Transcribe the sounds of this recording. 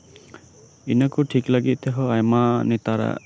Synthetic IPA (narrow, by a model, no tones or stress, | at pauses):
inakuʈʰiklaɡit̪̚ʼˀt̪ɛɦɔ̃ajmanɛt̪aɾa̰